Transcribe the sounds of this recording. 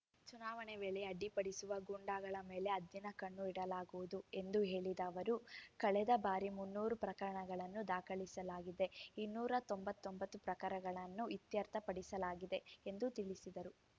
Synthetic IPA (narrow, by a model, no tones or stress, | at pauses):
t͡ʃunaːʋɐɳeʋɛːɭeɐɖːipɐɽisuʋɐɡuɳɖaːɡɐɭɐmeːle̞ɐd̪jinɐkɐɳːuiɽɐlaːɡuʋud̪ue̞nd̪uɦe̞ːɭid̪ɐːʋɐɾukɐɭɛd̪ɐbaːɾimunːuːɾupɾɐkɐɾɐɳɐɡɐɭɐnːud̪aːkʰɐɭisɐlaːɡid̪e̞inːuːɾɐt̪ombɐt̪ːombɐt̪ːupɾɐkɐɾɐɡɐɭɐnːuit̪jɐɾt̪ʰɐpɐɽisɐlaːɡid̪e̞end̪ut̪iɭisid̪ɐɾu